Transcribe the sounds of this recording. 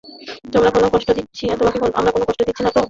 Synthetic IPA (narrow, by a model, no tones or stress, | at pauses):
t̪omɾakonokɔʃʈod̪itːɕʰiɛt̪obakikonʔa̰mɾakonokɔʃʈod̪itːɕʰinat̪o